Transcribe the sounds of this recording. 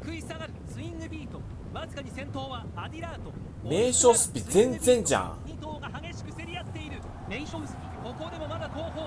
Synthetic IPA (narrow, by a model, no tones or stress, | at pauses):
kɯ̟isaɡaɾɯ̟t͡sɨĩŋɡɯ̟bʲiːt̪o̞ | βazɨkaɲ̟isẽ̞nt̪o̞ːβa | ad̪ʲiɾaːt̪o̞ | me̞ːɕosɨ̥pʲizẽnd͡zẽ̞nd͡ʑã̰ | ĩt̪o̞ːɡahaɡe̞ɕi̥kɯ̟seɾʲijat̪ːe̞iɾɯ̟ | meospʲiko̞ko̞d̪e̞mo̞mad̪ako̞ːɦoː